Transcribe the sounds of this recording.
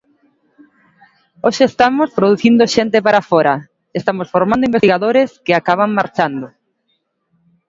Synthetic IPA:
oʃeest̪amospɾoðuθind̪oʃent̪epaɾafɔɾa | est̪amosfoɾmand̪oimbest̪iɣaðoɾeskɪakaβ̞aŋmaɾt͡ʃand̪ʊ

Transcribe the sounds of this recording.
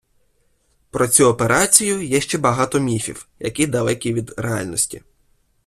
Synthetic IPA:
pɾɔt͡sʲuɔpeɾɑt͡sʲijʊjɛʃt͡ʃɛbɐɦɑt̪ɔmʲifʲḭwjɐ̰kid̪ɐlˠɛkʲiʋʲid̪ɾeɑlʲnɔsʲtʲḭ

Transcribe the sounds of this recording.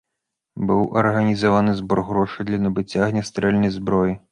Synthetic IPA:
buwʔɐrɦɐnʲizɔʋanɪzbɔɾɦɾɔʃɪd̪lʲɐnɔbɪt͡sʲːaɣnʲɐst̪ɾɛlʲnɔjzbɾɔji

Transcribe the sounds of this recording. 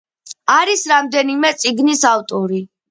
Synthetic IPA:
aɾisɾamd̪ɛnimɛt̪sʼiɡnisaft̪ʼɔɾi

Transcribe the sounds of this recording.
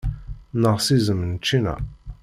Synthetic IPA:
nəʁsizəmnt͡ʃːinæ̰

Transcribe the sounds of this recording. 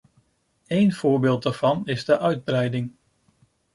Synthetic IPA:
ejnv̥ʊːɹbɪːlˠt̚dəɹv̥ɑnɪzdəʔœɥd̚brɛjdɪŋ

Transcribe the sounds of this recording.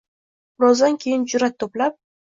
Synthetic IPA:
bɾɒzd̪ankʲʰe̞jɪnd͡ʒʊɾat̪ʰːoplap̚

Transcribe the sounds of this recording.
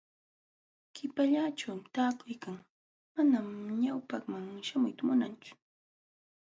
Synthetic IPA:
kɪpaʎat͡ʃawmt̪aːkʊjkaŋ | manamɲawpaχmaŋʃamʊjt̪amʊnant͡ʃʊ̥

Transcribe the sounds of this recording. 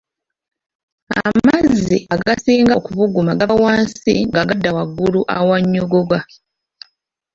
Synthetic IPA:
a̰mazziʔaɡasiːŋɡakuvuɡumaɡaawaːnsiŋɡaɡadːawaɡːuluʔa̰waɲːoɡoɡa

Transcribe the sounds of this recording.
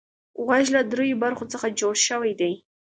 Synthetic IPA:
ɣaʒlad̪ɾojobaɾxot͡səxad͡ʒoɽʃəwajd̪aj

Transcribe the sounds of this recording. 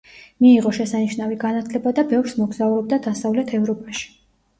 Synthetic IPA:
miːʁɔʃɛsaniʃnaviɡanat̪ʰlɛbad̪abɛvɾsmɔɡz̥auɾɔb̚d̪ad̪asavlɛt̪ʰɛvɾɔpʼaʃi̥

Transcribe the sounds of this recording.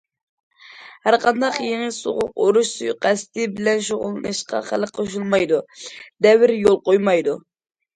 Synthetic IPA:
hæɾqʰɑnd̪ɑqjeŋɪso̰ʁʊqoɾuʃsujqʰæsɪ̥t̪ʰɪbɪlɛnʃoʁʊ̰lˠɨnɨʃqɑ̰χælˠqʰoʃ̬ulˠmɑjd̪ud̪ɛwɪɾjolˠqojmɑjd̪u

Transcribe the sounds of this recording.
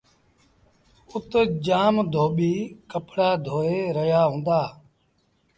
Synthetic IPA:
ʊt̪d͡ʒaːmd̪ʱoːɓiːkəpɽaːd̪ʱoːeːɾəjaːɦũːnd̪aː

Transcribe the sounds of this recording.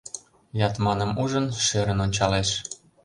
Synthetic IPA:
jɑt̪mɑnəmuʒənʃeɾənonʲt͡ɕɑleʃ

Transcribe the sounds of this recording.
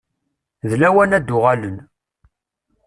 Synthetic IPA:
ðlæwænæd̪ːʊʁalən

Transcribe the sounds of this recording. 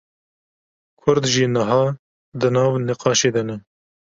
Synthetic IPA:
kʰʊɾd̪ʒiːnəɦɑː | d̪ɨnɑːvnɪqɑːʃeːd̪ɐnɛ

